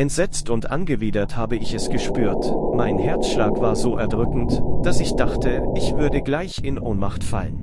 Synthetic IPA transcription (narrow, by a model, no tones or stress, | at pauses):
ʔɛntz̥ɛt͡stʊntʔa̰nɡəviːdɐthaːbəɪçɛsɡ̥əʃpyːɐtmaɪnhɛɐt͡sʃlaːkv̥aːɐzoːʔɛɐdʁʏkŋ̩td̥asɪçd̥aχtʰəʔɪçv̥ʏɐdəɡlaɪçɪnʔoːnmaχtfa̰lən